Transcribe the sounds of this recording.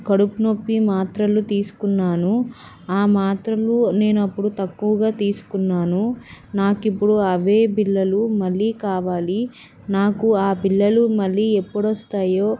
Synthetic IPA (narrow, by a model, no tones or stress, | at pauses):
kɐɽupunopːimaːt̪ɾɐlut̪iːsu̥kunːaːnu | aːmaːt̪ɾɐlune̞ːnuɐpːuɽut̪ɐkːuʋɐɡaːt̪iːsu̥kunːaːnunaːkipːuɽuɐʋeːbilːɐlumɐlːiːkaːʋaːli | naːkuaːpilːɐlumɐlːiːepːuɽʋɐst̪aːjoː